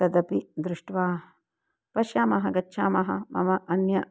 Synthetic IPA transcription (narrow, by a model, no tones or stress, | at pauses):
t̪ɐd̪ɐpid̪ɾuʂʈʋaːɐ | pɐʃjaːmɐɦɐɡɐtːʃʰaːmɐɦɐ̰mɐ̰mɐʔɐnjɐ